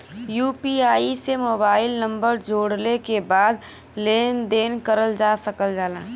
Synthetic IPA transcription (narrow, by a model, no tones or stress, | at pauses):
juːpiaːisemoːbaːɪlnɐ̃mbəɾd͡ʒoːɽlekebaːd̪̚ | leːnd̪eːnkəɾəld͡ʒaːsɐkəld͡ʒaːlaː